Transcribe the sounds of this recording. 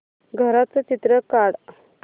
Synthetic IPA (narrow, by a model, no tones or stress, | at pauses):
ɡʱəɾat͡sət͡ɕit̪ɾəkaɽ